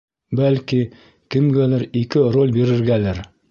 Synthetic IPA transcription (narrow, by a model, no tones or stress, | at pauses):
bælki | kɘ̆mɡælæɾikɘɾolʲbiɾɘ̆ɾɡælæɾ